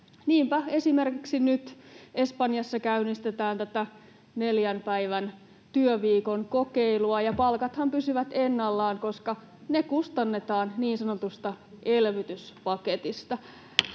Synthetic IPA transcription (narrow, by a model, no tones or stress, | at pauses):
niːmpæe̞sime̞rkiksinyt̪e̞spɑnjɑsːɑkæynist̪et̪æːnt̪æt̪æ | neljæmpæiʋæn | t̪yøʋiːkoŋko̞keiluɑjɑpɑlkɑt̪hɑmpysyʋæt̪enːɑlːɑːŋko̞skɑ | nekust̪ɑnːe̞t̪ɑːnniːnsɑnot̪ust̪ɑʔelʋyt̪yspɑket̪ist̪ɑ